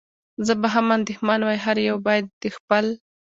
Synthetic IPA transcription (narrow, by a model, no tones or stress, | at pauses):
zəbaɦamand̪ɪxmɑnwɑjɦaɾjawbɑjad̪̚ːəxpəl